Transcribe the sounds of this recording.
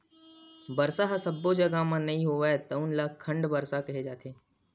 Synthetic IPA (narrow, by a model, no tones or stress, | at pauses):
bɐɾsaɦsɐbːod͡ʒɐɡamãnɐɦĩɦoːʋaet̪ɐʊnlakʰə̃ɳɖbɐɾsakɐɦed͡ʒaːt̪ʰeː